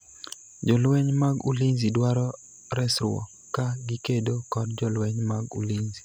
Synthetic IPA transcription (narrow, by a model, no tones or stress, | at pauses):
d͡ʒɔlwɛɲmaɡulinzidwaɾɔ | ɾɛsɾʊɔ̰ | kaɡikedokɔdd͡ʒɔlwɛɲmaɡṵlinzi